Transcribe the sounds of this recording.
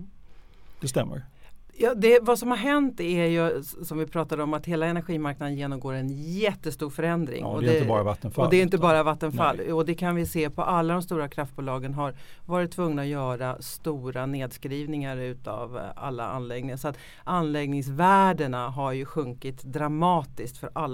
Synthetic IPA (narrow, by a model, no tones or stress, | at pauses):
d̪ɛst̪ɛmːə̰ɾjɑːd̪ɛvasɔmhaɾɦɛnt̪æɾjɵsɔmvɪpʰɾɑːt̪ad̪əɔmat̪heːlaɛnæɾɧiːmaɾknad̪ənjeːnɔmɡoːɾɛnjɛt̪ːəst̪uːɾfœɾɛnd̪ɾɪ̰ŋɔ̰d̪ɛəbɑːɾavat̪ːənfaɔlɛːjɪnt̪əbɑːɾavat̪ːənfalːɔd̪ɛkʰanvɪseːpʰɔʔalːad̪ɔmst̪uːɾakʰɾaft̪̚buːlɑːɡənɦaɾvɑːɾɪt̪ʰːvɵŋnaɔjœːɾast̪uːɾaneːd̪skɾiːvnɪŋaɾʉ̟ːt̪a̰va̰lːa̰a̰nlɛɡnɪŋasɔat̪ | ʔanːlɛɡnɪŋsvæːɖəɳaɦaɾjɵɧɵŋkɪt̪d̪ɾamɑːt̪ɪskt̪fœɾʔalː